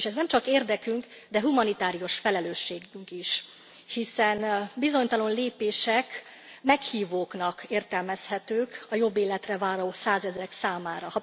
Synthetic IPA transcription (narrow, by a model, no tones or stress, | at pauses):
eʃɛznɛmt͡ʃɒkeːrd̪ɛkyŋk | d̪ɛɦumɒnit̪aːɾijo̞ʃfɛlɛløːʃːeːɡyŋkiʃ | hisɛnbizo̞ɲt̪ɒlo̞nleːpeːʃɛk | mɛkhiːvoːknɒkeːrt̪ɛlmɛshɛt̪øːkɒjo̞bːeːlɛt̪rɛvaːɾoːsaːzɛzɾɛksaːmaːɾɒhɒ